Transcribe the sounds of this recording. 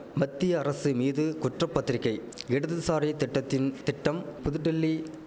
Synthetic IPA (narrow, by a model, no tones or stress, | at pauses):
mɐt̪ːɪjɐːɾɐsɯmiːðɯkʊʈrɐpːɐt̪ːɪɾɪkːɐɪ | ɛɽɯðɯsaːɾɐt̪ʈːɐt̪ːɪnt̪ɪʈːɐmpʊðɯʈːɪlːi